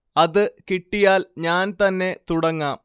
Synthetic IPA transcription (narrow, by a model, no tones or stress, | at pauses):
ɐðɨkiʈːijaːlɲaːnt̪ɐnːe̞t̪uɽɐŋːaːm